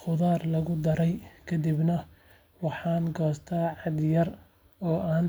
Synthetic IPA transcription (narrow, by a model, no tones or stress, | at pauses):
χʊðaːrlɐɣʊd̪ɐɾɛjkʰɐd̪ibnɐ | wɑħɑːnɡɔːst̪ʰaːʕɑd̪jɐr | ɔːʔaːn